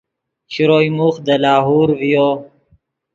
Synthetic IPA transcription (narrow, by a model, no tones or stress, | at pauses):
ɕiɾojmuxd̪əlɑːɦuːɾvijo